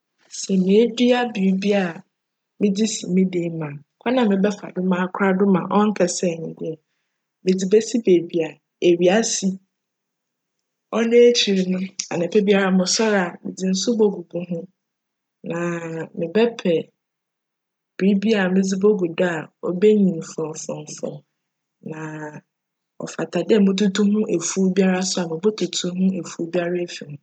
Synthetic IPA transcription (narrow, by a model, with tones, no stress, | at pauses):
sɛ˨mɪ̃˨e˦di˦a˦bi˨u˦bi˦a˨ | mɪ̃˦d͡zi˦sḭ˨mĩ˦dĩ˨˦mã˨˦kʷʰa˦nã˨mɪ̃˨bɛ˦fa̰˨dʊ˦mã˦a˦kʰɾa˦dʊ˦mã̰˨ʔɔ˦ŋ̩˦kʰɛ˨sɛ˦˨ɲɪ̃˨dɪ˦ɛ˨ | mɪ̃˨d͡zi˨bɛ˦si˦be˨bi˨a˨ | e˨ɥi˨a˦si˨˦ | ɔ˦nẽ˦e˦t͡ɕʰi˨ɾɪ˨nʊ̃˦a̰˨nɪ̃˨pʰɛ˦bi˦a˦˨ɾa˨mʊ̃˨sɔ˦ɾa˨mɪ̰̃˨d͡zɪ˨n̩˦sʊ˦bo˦ɡu˨bʊ̃˦ɦʊ̃˦ | nã˨mɪ̃˨bɛ˦pʰɛ˨ | b̥ɾi˦bi˦a˨mɪ̃˦d͡zi˦bo˦ɡu˨dɔ˦a˨ɔ̰˦be˦ɲĩ˨m˨fɔ̃˨fɔ̃˨m˨fɔ̰̃˨m | nã˨ | ɔ̰˨fa˨tʰa˨dɛ˦˨mʊ̃˦tʰu˦tʰũ˦hʊ̃˦ʔe˨fu˦bi˦a˦ɾa˦sʊ˦a˨mɪ̃˨bɔ˦tʰu˨tʰũ˦ɦʊ̃˦e˨fu˦bi˦a˦ɾa˦fi˨nʊ̃˨